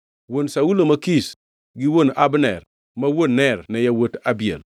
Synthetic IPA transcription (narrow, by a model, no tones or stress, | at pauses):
wonsaulomakis | ɡiwonabnɛɾ | mawonnːɛɾnejawotabiḛl